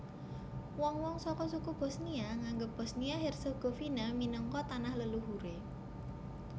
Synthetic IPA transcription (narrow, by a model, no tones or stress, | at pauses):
wɔŋwɔŋsɔkɔsukub̥ɔ̤sniaŋaŋɡəp̚b̥ɔ̤sniaɦɛrsoɡ̥o̤finaminəŋkɔt̪anahləluɦuɾe